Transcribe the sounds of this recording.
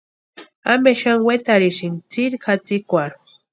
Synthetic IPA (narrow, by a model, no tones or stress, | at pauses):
ameʃaŋwet̪aɾiʃiŋt͡siɾkat͡sikʷaɾ